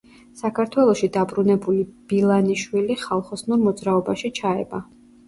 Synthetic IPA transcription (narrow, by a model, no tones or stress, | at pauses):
sakʰaɾt̪ʰwɛlˠɔʃid̪abɾunɛbulib̥ilˠaniʃwiliχalˠχɔsnuɾmɔd̪zɾaɔbaʃit͡ʃʰaɛ̰ba